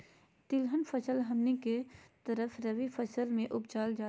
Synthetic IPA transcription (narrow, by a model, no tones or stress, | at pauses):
t̪ɪlɦənfʰəsəlɦɐmniket̪əɾəfɾɐʋifəsəlmẽʔʊbt͡ʃaːld͡ʒaː